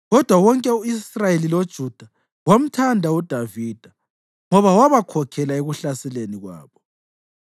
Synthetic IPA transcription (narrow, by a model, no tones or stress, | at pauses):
ɣɔd̥ʱwawɔŋkʼɛuisrajelilod̥ʒ̥ʱud̥ʱa | wam̩tʰandʱaud̥ʱaviːd̥ʱa | ŋɔβawaβakʰɔkʰɛlaeɣuɬasɛleniɣwa̰ːβɔ